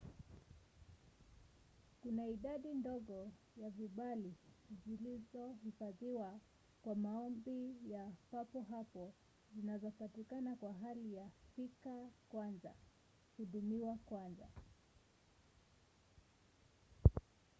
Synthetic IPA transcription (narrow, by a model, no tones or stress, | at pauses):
kunaiɗaɗindɔɠɔ | javiɓali | zilizɔhifaðiwa | kwamaɔmbijapapɔɦapɔ | zinazɔpatikanakwaɦalijafikakwanza̰ | huɗumiwakwanza̰